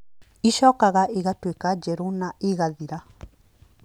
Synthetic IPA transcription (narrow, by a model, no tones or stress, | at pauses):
iʃɔːkaɣaʔeɣatwekad͡ʒɛɾonaeɣaðiɾa